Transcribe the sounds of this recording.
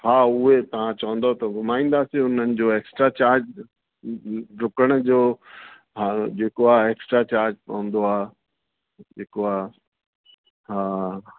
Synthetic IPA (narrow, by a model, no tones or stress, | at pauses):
haːʊɦet̪ɐʋ̤ãt͡ɕɐʋə̃n̆d̪ot̪ɐɡʱʊmaːĩːn̆d̪asĩʊnənɪ̆d͡ʑoːeːksʈɾat͡ɕaːɾd͡ʑ | ɖʊkəɽ̃̆d͡ʑoː | ɦad͡ʑeːkoaːɦeːksʈɾat͡ɕaːɾd͡ʑpɐɦə̃nd̪oaː | d͡ʑeːkoaːɦ | ɦaː